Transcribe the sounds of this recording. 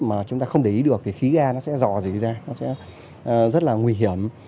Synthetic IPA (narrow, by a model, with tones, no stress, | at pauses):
maː˨˩t͡ɕʊ˨˦ŋ͡mt̪aː˧xə˧wŋ͡mɗə˨ʔi˨˦ɗɨ˨˩ək̚t̪ʰi˨˩xi˨˦ɣaː˧nɔ˨˦sɛ̰˧˥zɔ̰˧˩˨zḭ˧˨zaː˧nɔ˨˦sɛ̰˧˥˨ | zə˦˥t̚laː˨˩ŋwi˧ɦi˧˩əm